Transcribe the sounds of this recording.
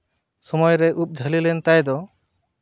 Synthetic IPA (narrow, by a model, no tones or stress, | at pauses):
sɔmɔjɾɛʔup̚d͡ʒʱəlilɛnt̪ajd̪ɔ